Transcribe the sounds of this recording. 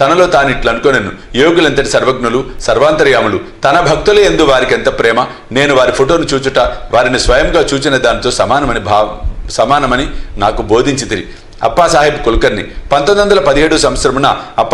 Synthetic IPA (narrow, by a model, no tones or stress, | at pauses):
t̪ɐnɐlo̞ːt̪aːnuiʈlɐɐnukoːnenːujoːɡulɐnt̪̬ɐʈisɐɾʋɐɡ̚nulusɐɾʋaːnt̪ɐɾjaːmulut̪ɐnɐbʱɐk̚t̪uleend̪uʋaːɾikent̪ɐpɾɛːmɐ | ne̞ːnuʋaːɾipʰoʈo̞ːnut͡ʃuːt͡ʃuʈɐʋaːɾinisʋɐjɐmɡaːt͡ʃuːt͡ʃinɐd̪aːnit̪o̞ːsɐmaːnɐmɐnibʱaːsɐmaːnɐmɐninaːkubʱo̞ːd̪ʱiɲt͡ʃit̪iɾḭ | ɐ̰pːasaːɦipukolukɐɾnḭpɐnt̪ond̪ʋɐnd̪ɐlɐpɐd̪ie̞ːɽusɐmʋɐt̪sɐɾɐmunɐɐpː